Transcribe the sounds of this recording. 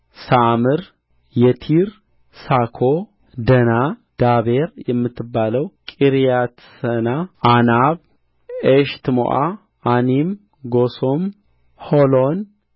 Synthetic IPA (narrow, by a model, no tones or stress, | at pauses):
samɨɾ | jɛt̪ʰiɾ | sakʰo | d̪ənad̪̥aβeɾjɛmːɨt̪ːɨbːaləwkʼiɾijat̪sənaanaβ | eʃt̪ʰmo̰ʔaː | nim | ɡosom | holon